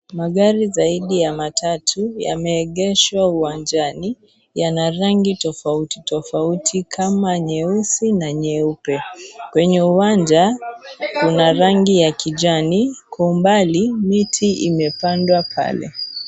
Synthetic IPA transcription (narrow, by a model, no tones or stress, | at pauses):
maɠaɾizaiɗijamatʰatʰuja̰mɛːɠɛʃwauwand͡ʒani | janaɾaŋɡitɔfautitɔfautʰikʰamaɲɛusinaɲɛupɛkwɛɲɛuwand͡ʒakunaɾaŋɡijakiʄanikʰɔumbalimitʰiimɛpandwapʰa̰lɛ̰